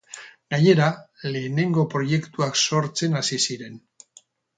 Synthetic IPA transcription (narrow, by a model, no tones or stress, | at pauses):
ɡ̥aɲe̞ɾale̞ːne̞ŋɡo̞pɾo̞je̞kt̪uakso̞ɾt͡se̞nasisiɾe̞n